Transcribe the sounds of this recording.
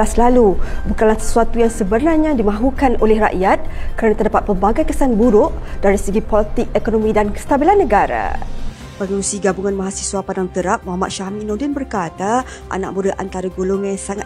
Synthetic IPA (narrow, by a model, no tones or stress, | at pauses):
aslalubukanlahsə̥suat̪ujaŋsəbərnarɲãdimãɦukanʔolɛhra̰ʔjat̪̚kəɾanat̪ərdapat̪̚pəmbaɡajkəsanbuɾʊʔd̥aɾisəɡipolət̪ɪk̚ekonɔmĩdankə̥st̪abilanːəɡaɾa̰ | pəŋuusiɡabuŋanmaɦasi̥swapadaŋt̪əɾap̚moɦamat̪̚ʃahminodɪnbərkat̪a | ʔa̰na̰ʔ̚buɾəʔant̪aɾaɡoloŋãsaŋa